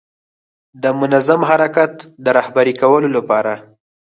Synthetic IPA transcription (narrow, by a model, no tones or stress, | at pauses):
d̪əmʊnazamɦaɾakat̪d̪əɾɑhbaɾikawəlolapɑɾa